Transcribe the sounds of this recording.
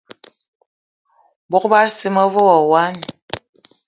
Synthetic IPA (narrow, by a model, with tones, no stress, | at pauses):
bɔ˦kba˦si˦mə˦vɔ˦ɣɔ˨wa˦ni˨